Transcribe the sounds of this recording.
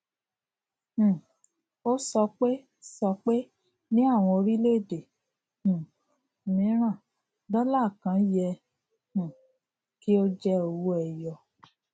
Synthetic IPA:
h̩˨ | o˦sɔ˧k͡pe˦ | sɔ˧k͡pe˦ | nĩ˦a˦˨w̃ɔ̃˧o˧ɾi˦le˦˨de˨ | h̩˨ | mĩ˨˦ɾ̃ã˦˨ | dɔ˦la˦˨kã˨˦jɛ˧ | ũ˨ | ki˦o˦d͡ʒɛ˦o˨˧wu˦ɛ˧jɔ˧˨

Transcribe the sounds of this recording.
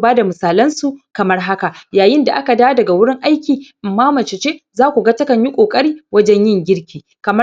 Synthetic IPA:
baː˦da˨mʊ˨saː˨lɐ˦nsu˨kɐ˨mɐ˦rɦa˦ka˨jaː˨jɪ˦nda˨ʔa˦ka˨daː˦dɐ˨ɡa˨wʊ˦ɽɪ˦ŋʔa˦jkʲiː˨ʔɪ˨mːaː˦mɐ˨t͡ʃɪ˨t͡ʃeː˦zaː˦kʷu˨ɡa˦tɐ˦kɐ˨ɲjɪ˦kʷʼoː˨kʼɐ˦ɽiː˦wɐ˦d͡ʒɛ˦ɲjɪ˦ŋɡʲɪ˦ɽkʲiː˨ | kɐ˨mɐ˦

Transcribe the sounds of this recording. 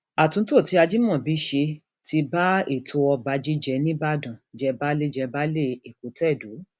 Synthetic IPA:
a˨tũ˨˦to˦˨ti˨˦a˧d͡ʒi˦mɔ̃˦˨bi˨˦ʃe˧ | ti˧ba˦e˨tʰo˧ɔ˧ba˧˦d͡ʒi˦d͡ʒɛ˧nĩ˦ba˦dã˨d͡ʒɛ˧ba˦le˦d͡ʒɛ˧ba˦le˦˨e˨ko˨˦tɛ˦˨du˨˦

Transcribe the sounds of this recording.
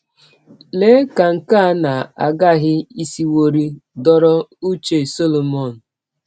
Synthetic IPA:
le˦ka˨ŋ̩˨ka˦na˨a̰˨ɡa˦ɦɪ˦i˦si˦wo˦ɾi˦dɔ˦ɾɔ˦u˦t͡ʃe˨so˦lo˨mɔ˦˨n̩˨

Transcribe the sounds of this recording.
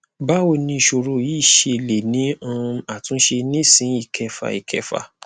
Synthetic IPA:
ba˦o˦˧˨nĩ˧˨ʃo˧˨ɾo˧jiː˦˨ʃe˧˨le˨nĩ˨˦ɔ̃˧a˦˨tũ˨˦ʃe˧nĩ˦sĩ˨˦i˦˨kʰɛ˧fa̰˨ḭ˨kʰɛ˧fa̰˨

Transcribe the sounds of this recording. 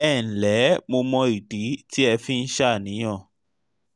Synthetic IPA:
ɛ˦˨n̩˨lɛ˨˦mo˧mɔ̃˧i˨di˨˦ti˦ɛ˧fĩ˦n̩˦ʃa˦˨nĩ˨˦ɔ̃˦˨

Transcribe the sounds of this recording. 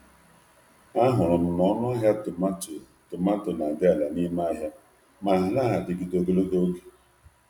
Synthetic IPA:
a˦ɦʊ˨ɾʊ˨m̩˨nɔ˦nɔ˦ɦja˦t | tʊ˨ma˦tʊ˨na˨dɪ˦a˨la˨ni˦ma˦ɦja˦ | ma˨ɦa˨na˦˨ɦa˨dɪ˨ɡi˨do˦ɡe˦lo˦ɦo˦ɡe̥˨

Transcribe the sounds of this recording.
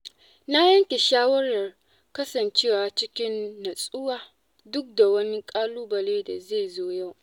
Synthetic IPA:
na˦jɐ˦ŋkʲe˨ʃaː˦wɐ˦ɾɐ˨r | kɐ˦sɐ˨nt͡ʃeː˦waː˨t͡ʃɪ˦kʲɪ˦nːɐ˨sʼʊ˦waː˨ | dʊ˦k̚da˨wɐ˦ni˦kʼaː˦luː˦bɐ˨leː˦da˨ze˦˨zoː˦ja˦˨w

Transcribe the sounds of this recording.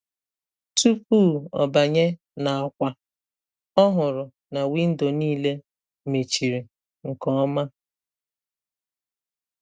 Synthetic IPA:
tu˦pu˦˨ɔ˨ba˨ɲe˦ | na˨a˨kʷa˨ | ɔ˦ɦʊ˨ɾʊ˨ | na˨wi˦n̩˦do˨niː˦le˦ | me˨t͡ʃi˨ɾi˨ | ŋ̩˨kɔ˨˦ma˦

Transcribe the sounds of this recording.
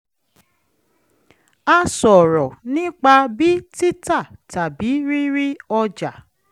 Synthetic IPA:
a˧sɔ˨ɾɔ˨nĩ˦k͡pa˧bi˦ti˦ta˦˨ta˨bi˨˦ɾi˦ɾi˦ɔ˧d͡ʒa˨

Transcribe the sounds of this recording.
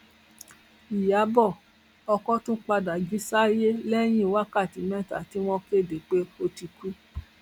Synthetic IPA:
i˨ja˨˦bɔ˦˨ | ɔ˧kɔ˦tũ˦k͡pa˧da˨d͡ʒi˨˦sa˦je˦lɛ˦j̃ĩ˦˨˧wa˦ka˦˨ti˨˦mɛ̃˦˨ta̰˨ti˨˦w̃ɔ̃˧ke˦˨de˨k͡pe˦o˧ti˧ku˦

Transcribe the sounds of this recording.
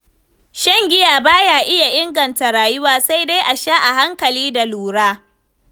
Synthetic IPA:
ʃɐ˦˨ŋɡʲɪ˦jaː˨baː˦jaː˦ʔɪ˦ja˨ʔɪ˦ŋɡɐ˨nta˨ɾaː˨jʊ˦waː˦sa˦jde˦jʔa˨ʃaː˦ʔa˨ɦa˦ŋkɐ˨liː˦da˨luː˨ɽaː˦

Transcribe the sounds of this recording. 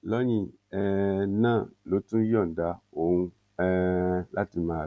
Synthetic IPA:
lɔ˦ɲĩ˧ | ɛ˧nãː˦˨lo˨˦tũ˦jɔ˦˨da˨˧o˨hũ˧ | ɛ˦la˦ti˧mãː˦˨

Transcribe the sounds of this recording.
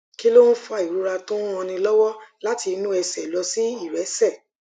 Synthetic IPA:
ki˦lo˦n̩˦fɔ˦˧a˧˨i˨ɾu˨˦ɾa˧tõ˦ɔ̃˧nĩ˧lɔ˦wɔ˦la˦ti˧nũ˦ɛ˧sɛ˨lɔ˧si˦i˦˨ɾɛ˨˦sɛ˦˨

